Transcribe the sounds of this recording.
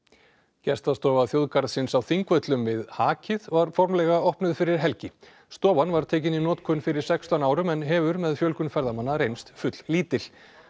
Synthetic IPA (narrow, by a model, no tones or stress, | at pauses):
cɛst̪ast̪ɔːvaθjowðkaɾðsɪnsawθiŋkvœt̪lʏmvɪðhaːcʰɪðvaɾfɔɾmlɛɣaɔhpnʏðfɪɾɪɾ̥ɦɛlcɪ | st̪ɔːvanvaɾ̥t̪ʰɛːcɪninɔːt̪kʰʏnfɪɾɪɾ̥sɛkst̪anaːwɾʏmɛnɦɛvʏɾmɛðfjœlkʏnfɛɾðamanːaɾejnst̪fʏt̪l̥liːt̪ɪl̥